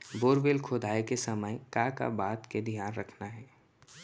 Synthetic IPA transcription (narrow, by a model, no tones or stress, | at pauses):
boːɾʋeːlkʰoːd̪aːekesɐməjkaːka̰baːt̪ked̪ʱjaːnɾɐkʰnaɦɛː